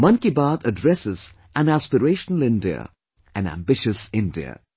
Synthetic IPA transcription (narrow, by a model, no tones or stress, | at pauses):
mʌ̃nkibaːd̪ədɹɛsɪz̥ | æ̃næspəɹeɪʃənəlɪ̃ndiə̰ | ʔɨ̃næ̰̃mbɪʃɨsɪ̃ndiə̰